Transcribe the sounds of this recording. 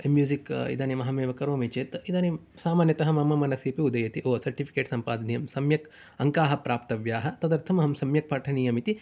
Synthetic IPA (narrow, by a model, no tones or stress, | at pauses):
mjuːzikḭd̪aːnimɐɦɐmeːʋɐkɐɾoːmit͡ʃeːt̪id̪aːni | saːmaːnjɐt̪ɐɦɐmɐmɐmɐnɐsipiud̪ɐjɐt̪iʔoːsɐɾʈipʰi̥keːʈsɐmpaːd̪ɐnijɐmsɐmjɐk | ɐŋkaːɦɐpɾaːp̚t̪ɐʋjaːɦɐt̪ɐd̪ɐɾt̪ʰɐmɐɦɐmsɐmjɐk̚pɐʈʰɐniːjɐmit̪i